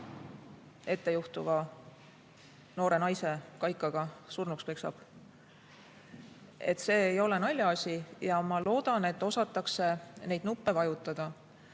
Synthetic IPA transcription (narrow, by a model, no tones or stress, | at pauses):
e̞t̪ːe̞juht̪uvɑ | no̞ːɾe̞nɑjse̞kɑjkːˑɑɡ̥ɑsurnukspeksɑ̰b̥ | e̞t̪ːˑse̞ːjo̞le̞nɑlʲjɑɑsʲijɑmɑlo̞ːd̪̥ɑne̞t̪ːˑo̞sɑt̪ːˑɑkse̞ne̞jd̪̥nupːe̞vɑjut̪ːˑɑd̪̥ɑ